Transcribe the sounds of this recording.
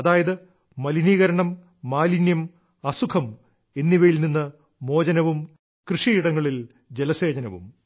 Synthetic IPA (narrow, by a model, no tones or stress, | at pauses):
ɐðaːjɐðɨ | mɐliniːɣɐɾɐɳɐmː | aːlinjɐm | ɐsukʰɐm | e̞nːiʋɐjilninːɨ | mo̞ːd͡ʑɐnɐʋum | krɨʂiiɽɐŋːɐɭil | d͡ʑelɐse̞ːd͡ʑɐnɐʋṵm